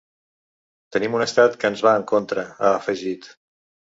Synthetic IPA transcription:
t̪ənimunəst̪at̪kəːnzβaəŋkont̪ɾəəːfəʒit̪

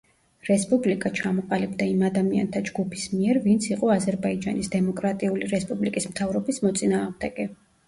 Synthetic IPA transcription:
ɾɛspʼublikʼat͡ʃʰamɔqʼalibd̪aimad̪amia̰nt̪ʰad͡ʒɡupʰismiɛɾvint̪sʰiqʼɔazɛɾbaid͡ʒa̰nisd̪ɛmɔkʼɾat̪ʼiuliɾɛspʼublikʼismt̪ʰavɾɔbismɔt̪sʼinaːʁmd̪ɛɡ̥ɛ

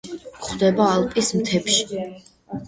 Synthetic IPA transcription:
χwd̪ɛbaːlˠpʼismt̪ʰɛpʃi̥

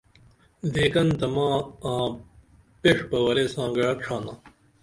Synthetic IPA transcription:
d̪eːkɐnd̪ɐmãːãː | peʂbɐwɐɾeːsãːɡɐɽɐʈ͡ʂʰãːnãː

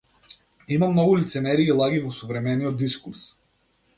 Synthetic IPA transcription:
imamnɔɡulit̪sɛmɛɾiːlˠaɡivɔsɔvɾɛmɛniɔd̪iskuɾs

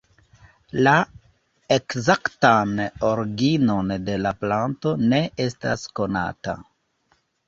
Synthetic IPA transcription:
la | ekzaktano̞ɾɡino̞nde̞laplanto̞ne̞e̞sta̰sko̞na̰ta̰

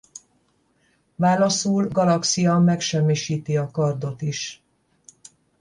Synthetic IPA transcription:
vaːlɒsuːlɡɒlɒksijɒmɛkʃɛmːiʃiːt̪iɒkɒrd̪o̞t̪iʃ

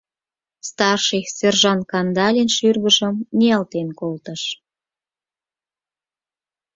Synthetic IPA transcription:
st̪ɑrʃiserʒɑnkɑnd̪ɑlʲenʃyrɣəʒəmniɑlt̪enkolt̪əʃ

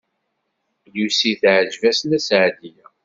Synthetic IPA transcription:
jusiθʕəʒvæsnæsʕd̪ijæ

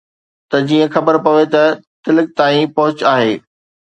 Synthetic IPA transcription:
t̪ɐd͡ʑiːə̃xɐbəɾpɐʋet̪ɐt̪ɪlɪk̚t̪aːĩpɐɦʊt͡ɕaːɦeː

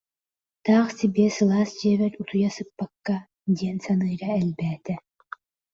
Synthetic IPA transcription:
t̪aːχsibiɛsɯlˠaːsd͡ʒiɛβɛɾʲut̪ʰujasɯpːakːa | d̪ʲiɛnsanɯːɾaɛlʲbæːt̪ɛ

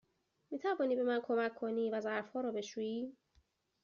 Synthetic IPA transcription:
miːt̪ʰævɒːniːbe̞mænkʰo̞mækʰːoniːvæzæɾfhɒːɾɔːbe̞ʃuːjiː

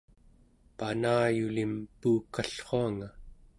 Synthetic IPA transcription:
panaːjulimpuːkaɬχoaŋa

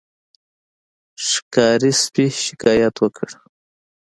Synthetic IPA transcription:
ʃɪ̥kɑɾispiʃɪ̥kɑjat̪wəkʰəɽ

